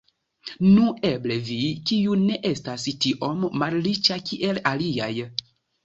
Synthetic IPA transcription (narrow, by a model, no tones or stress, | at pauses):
nue̞ble̞vikijune̞ʔe̞stastiʔo̞mːallit͡ʃakʰiʔe̞laliaj